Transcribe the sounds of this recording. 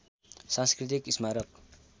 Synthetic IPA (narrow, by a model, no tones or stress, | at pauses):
sãnskrit̪̬ikismaɾʌk